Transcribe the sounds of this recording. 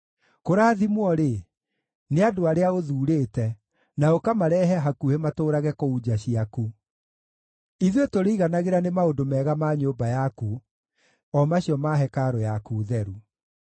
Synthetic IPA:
koɾaːðimwɔɾe | neadoaɾeaoðuːɾeːtɛ | naokamaɾɛːɦɛɦakuhematoːɾaɣɛkoud͡ʑaɕiaku | iðjetoɾeiɣanaɣeɾanemaodomɛːɣamaɲoːbajaku | ɔmaɕijɔmaɦɛkaɾɔjakuːðɛɾu

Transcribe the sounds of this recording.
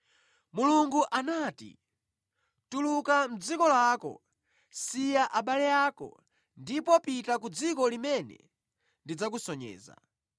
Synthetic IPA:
muluŋɡuʔanaːtḭ | tulukam̩d͡zikɔlaːkɔ̰ | sijaʔaɓalɛjaːkɔ̰ | ndipɔpitakud͡zikɔlimɛnɛ̰ | ndid͡zak̬usɔɲɛ̰ːza̰

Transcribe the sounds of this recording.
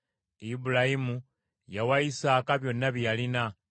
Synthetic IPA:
ibulaimu | jawaisaːkaβjo̞nːaβijalina

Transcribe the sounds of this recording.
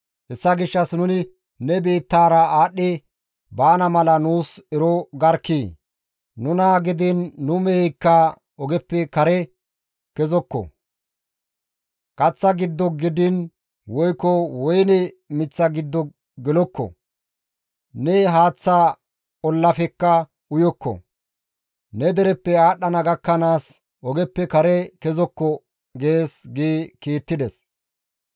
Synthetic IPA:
hɛsːɐɡɪʃːɐsnʊnɪ | nɛbe̞ːt̪ːaːɾɐaːɗːɛ | baːnɐmɐlɐnuːsɛɾɔɡɐɾkːeː | nʊnaɡɪd̪ɪnːʊmɛjkːa | ɔɡɛpːɛkɐɾɛ | kɛzɔkːɔ̰ | kʼɐt͡sːɐɡɪd̪ːɔɡɪd̪ɪn | wɔjkːɔwɔjnɛ | mɪt͡sːɐɡɪd̪ːɔ | ɡɛlɔkːɔ̰ | nɛɦaːt͡sːaː | ɔlːɐfɛkːɐ | ʊjɔkːɔ̰ | nɛd̪ɛɾɛpːɛaːɗɐnɐɡɐkːɐnaːs | ʔɔɡɛpːɛkɐɾɛkɛzɔkːɔ | ɡe̞ːsɡeːkiːt̪ːɪd̪ɛs

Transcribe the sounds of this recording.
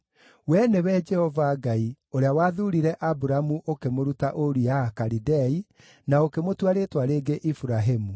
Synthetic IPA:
wɛnewɛd͡ʒɛhɔvaɡai | oɾeawaːðuɾiɾɛʔabuɾaamuʔokemoɾutaʔoɾijakaɾidɛi | naokemotwaɾetwaɾeːɡeʔifuɾaɦemu

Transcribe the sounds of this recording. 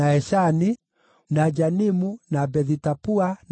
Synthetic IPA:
aɛʃani | nad͡ʒanimunabɛðitapuan

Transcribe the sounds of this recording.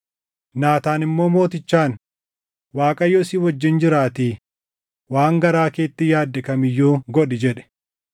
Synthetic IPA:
naːt̪aːnɪmːo̞ːmo̞ːt̪ɪt͡ʃːaːn | waːkʼɐjːɔɪsɪːwɐd͡ʒːɪnd͡ʒɪɾaːt̪iː | waːŋɡɐɾaːkeːt̪ːɪjaːd̪ːɛkɐmɪjːuːɡɔᶑɪd͡ʒɛᶑɛ̥

